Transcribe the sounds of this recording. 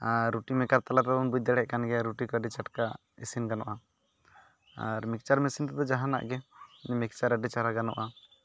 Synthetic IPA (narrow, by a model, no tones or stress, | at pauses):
aɾːuʈimɛkaɾt̪alat̪aunbud̪ɛɽɛʔkanɡɛaɾuʈikɔəɖit͡ʃaʈka | ḛsinɡanɔ̰ʔa | a̰ɾmik̚t͡ʃaɾmesint̪ɛd̪ɔd͡ʒaɦãna̰ʔɡɛnɛmik̚t͡ʃaɾəɖɛt͡ʃaɾaɡanɔʔa